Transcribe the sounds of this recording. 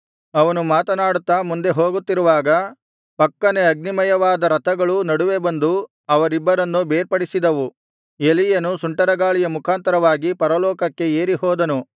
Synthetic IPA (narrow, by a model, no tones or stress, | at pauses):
ɐʋɐnumaːt̪ɐnaːɽut̪ːɐmund̪e̞ɦoːɡut̪ːiɾuʋaːɡɐ | pɐkːɐneɐɡ̚nimɐjɐʋaːd̪ɐɾɐt̪ɐɡɐɭunɐɽuʋe̞bɐnd̪u | ɐʋɐɾibːɐɾɐnːubeːɾpɐɽisid̪ɐʋu | elijɐnusuɳʈɐɾɐɡaːɭijɐmukʰaːnt̪ɐɾɐʋaːɡipɐɾɐlɔːkɐkːe̞eːɾiɦɔːd̪ɐnu